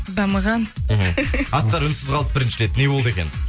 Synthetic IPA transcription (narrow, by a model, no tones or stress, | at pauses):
d̪ɑməʁɑn̩ɦɑst̪ɑɾʏnsɪzʁɑlˠəp̚bɪɾɪnʃɪɾe̞t̪ne̞wo̞lˠd̪əe̞kʲe̞n